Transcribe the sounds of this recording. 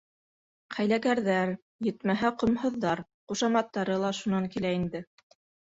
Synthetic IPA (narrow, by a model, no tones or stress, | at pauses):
qʰæjlækæɾðæɾ | jɘ̆t̪mæɦæqŏmhɤ̆ðːɑɾ | quʃɑmɑt̪ːɑɾɤlˠɑʃunɑŋkilæind̪ɘ